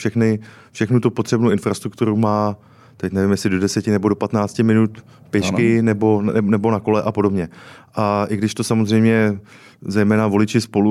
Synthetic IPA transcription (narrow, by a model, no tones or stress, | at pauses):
fʃɛxnɪ | fʃɛxnut̪upo̞t̪r̝̥ɛbnowʔɪnfɾast̪ɾuk̚t̪uɾumaː | t̪ɛcnɛvɪmjɛsɪdo̞dɛsɛcɪnɛbo̞do̞pat̪naːt͡scɪmɪnut̪ | pjɛʃkɪnɛbo̞ɛnɛbo̞nako̞lɛʔapo̞dobɲɛʔaʔɪɡdɪʃt̪o̞samo̞zrɛjmɲɛ | zɛjmɛːnavo̞lɪt͡ʃɪspo̞lu